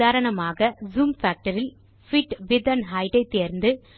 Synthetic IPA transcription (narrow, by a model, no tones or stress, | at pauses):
aːɾɐɳɐmaːɣɐzuːmfaːk̚ʈɐɾɪl | fɪʈʋɪd̪ɐnɦɐjʈɐɪt̪ːeːɾnd̪ɯ